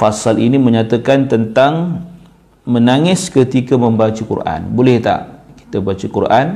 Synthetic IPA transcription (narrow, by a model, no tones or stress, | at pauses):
fasaliniməɲat̪akant̪ənt̪aŋ | mənaŋɪskət̪ikamə̃mbat͡ʃakṵrʔa̰nbolɛht̪a̰ʔki̥t̪abat͡ʃakurʔan